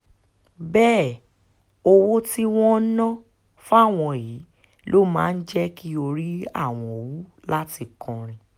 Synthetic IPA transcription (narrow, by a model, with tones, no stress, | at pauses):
bɛː˦˨ | o˧wo˦ti˦w̃ɔ̃˦nã˦ | fa˦˨w̃ɔ̃˧ji˨˦ | lo˦mã̰ː˦˧n̩˦d͡ʒɛ˦ki˦o˧ɾi˦a̰˦˨w̃ɔ̃˧˨wu˨˦ | la˦ti˧˨kɔ̃˨ɾ̃ĩ˨